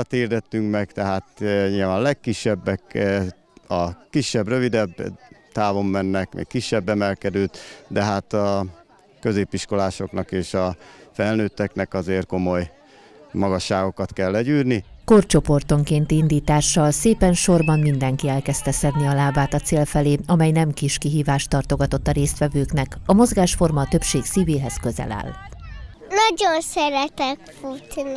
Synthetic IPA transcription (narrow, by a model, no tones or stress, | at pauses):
t̪ird̪ɛt̪ːyŋkmɛkt̪ɛɦaːt̪ɲilvaːnlɛkːiʃːɛbːɛk | ɒkiʃːɛbrø̞vid̪ɛbt̪aːvo̞mːɛnːɛkmḛːkkːiʃːɛbːɛmɛlkɛd̪øːt̪d̪ɛɦaːt̪ɒ | kø̞zeːpiʃko̞laːʃo̞knɒkeːʃɒfɛlnøːt̪ːɛknɛkɒzeːrko̞mo̞j | mɒɡɒʃːaːɡo̞kɒt̪kɛlːɛɟyːrniko̞rt͡ʃo̞po̞rt̪o̞ŋkeːnt̪ind̪iːt̪aːʃːɒlseːpɛnʃo̞rbɒnmind̪ɛŋkiɛlkɛst̪ɛsɛd̪niɒlaːbaːt̪ɒt̪seːlfɛleːɒmɛjnɛmkiʃkiɦiːvaːʃt̪ɒrt̪o̞ɡɒt̪o̞t̪ːɒɾeːst̪ʋɛvøːkn̪ɛkɒmo̞zɡaːʃfo̞rmɒt̪ø̞pʃeːksiːveːɦɛskø̞zɛ̰la̰ːl | nɒɟonsɛɾɛt̪ɛkfut̪